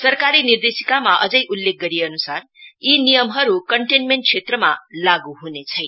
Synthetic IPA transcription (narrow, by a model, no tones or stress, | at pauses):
sʌrkaɾinird̪esikamaʔʌd͡zʌjʔulːek̚ɡʌɾieʌnusar | inijʌmɦʌɾukʌɳʈenmeɳʈ̚t͡sʰet̪rʌmalaɡuɦunet͡sʰʌjn